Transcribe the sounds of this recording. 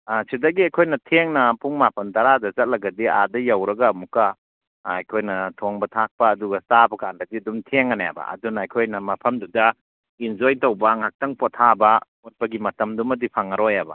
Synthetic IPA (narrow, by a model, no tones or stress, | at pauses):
asidɐɡiɐjkʰojnɐtʰeŋnɐpʰuŋmapʰɐntaɾadɐzɐt̚lɐɡɐdia̰dɐjawɾɐɡaːmukaː | jkʰojnɐtʰoŋbɐtʰak̚pɐːduɡɐstabɐkandɐdiɐdumtʰeŋɐnja̰bɐ̰ɐ̰dunɐːjkʰojnɐmɐpʰɐmdudɐ | ind͡ʒojtɐwbaŋhak̚tɐŋpɔtʰabɐ | ɔt̚pɐɡimɐtɐmdumɐdipʰaŋɐɾɔjabɐ̰